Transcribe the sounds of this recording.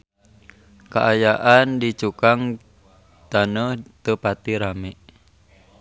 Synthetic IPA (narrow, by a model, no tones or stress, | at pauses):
ka̰ʔajaʔandit͡ʃukaŋ | t̪anəht̪əpat̪iɾamɛʔ